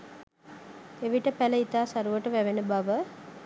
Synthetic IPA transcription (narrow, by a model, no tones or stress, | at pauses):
eʋiʈəpæləit̪aːsaɾuʋəʈəʋæʋenəbaʋə